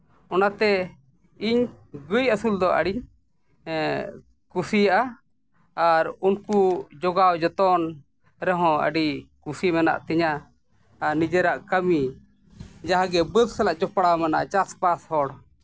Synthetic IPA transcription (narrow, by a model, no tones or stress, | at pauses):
ɔnat̪ɛ | iɲ | ɡəjəsuld̪ɔʔə̰ɽiɲ | kusijʔaː | ɾunkud͡ʒɔɡawd͡ʒɔt̪ɔn | ɾɛɦɔ̃ə̰ɖikusimɛna̰ʔt̪ɛɲaː | ɾnid͡ʒɛɾaʔkəmi | d͡ʒaɦãɡɛbəd̪sɛlaʔd͡ʒɔpɽamɛna̰ʔt͡ʃaspashɔɽ